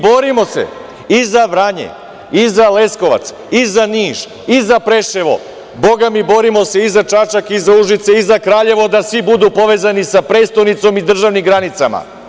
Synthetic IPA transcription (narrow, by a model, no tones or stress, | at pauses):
bo̞ɾimo̞se̞̰ | izaʋɾaɲḛ | izale̞sko̞ʋa̰t̪s | izaniːʒ̥ | izapɾe̞ʃeʋo̞̰ | bo̞ɡamibo̞ɾimo̞se̞izat͡ʃat͡ʃakizauʒit̪seizakɾaːʎe̞ʋo̞d̪asʋibud̪upo̞ʋe̞zanisapɾe̞ːt̪st̪ojnit̪so̞mid̪r̩ʒaʋnimɡɾanit̪sama̰